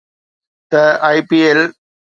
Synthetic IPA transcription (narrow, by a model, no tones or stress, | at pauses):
t̪ɐaɪpiel